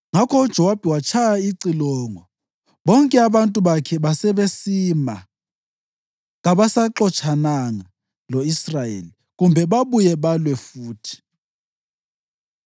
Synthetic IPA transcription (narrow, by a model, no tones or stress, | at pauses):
ŋakʰɔud̥ʒ̥ʱɔwab̥ʱiwat͡ʃʰajaiǀilɔːŋɔ | ɓɔŋkʼɛaβantʼuβakʰɛβasɛβesima | ɣaβasaǁɔt͡ʃʰanaŋa | lɔisrajḛli | ɣumbʱɛβaβujɛβalwɛfuːtʰi̥